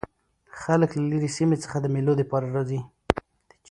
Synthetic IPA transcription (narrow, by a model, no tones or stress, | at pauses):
xaləklaliɾisimet͡sə̥xad̪əmelod̪əpɑɾaɾɑzi | d̪̥ə